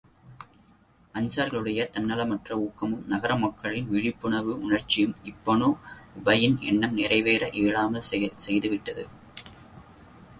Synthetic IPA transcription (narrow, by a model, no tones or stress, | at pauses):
ɐnsaːɾɣɐɭɯɽɐjɐt̪ɐnːɐlɐmɐʈrɐuːkːɐmɯmnɐɣɐɾɐmɐkːɐɭɪnʋɪɻɪpːɯɳɐʋɯʊɳɐrt͡ʃːɪjɯmɪpːɐnoːʊbɐjɪnɛ̰ɳːɐmnɪrɐɪʋeːɾɐʔeːɭaːmɐlsɛjðɯʋɪʈːɐðɯ̰